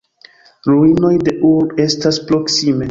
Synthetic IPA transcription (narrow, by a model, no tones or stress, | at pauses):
ɾuino̞jde̞ʔuɾbe̞staspɾo̞ksime̞